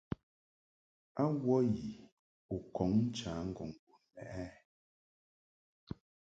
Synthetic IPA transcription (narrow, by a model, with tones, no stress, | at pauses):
a˦wɔ˦ji˨ | u˨kɔ˨˦ŋn̩˦t͡ʃaː˨˦ŋ̩˦ɡɔ˨ŋ˨ɡu˨nɛ̰˨ʔɛ˦